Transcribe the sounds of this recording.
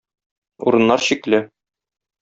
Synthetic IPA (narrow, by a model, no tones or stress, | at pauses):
ṵɾɤ̆nːɑɾɕiklɘ